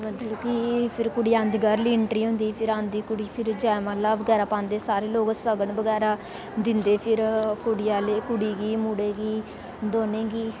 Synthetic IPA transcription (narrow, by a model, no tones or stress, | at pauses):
mət̪ləbkipʰɪɾkʊɽiːãːnd̪iːɡəɾliːɪɳʈɾiːɦʊ̃nd̪iːpʰɪɾãːnd̪iːkʊɽiːpʰɪɾd͡ʒaːmaːlaːʋəɡɛːɾaːpãːnd̪eːsaːɾeːloːɡsəɡəɳbəɡɛːɾaː | d̪ɪnd̪eːpʰɪɾkʊɽijaːleːkʊɽiːɡiːmuɽeːɡiː | d̪oːnẽːɡiː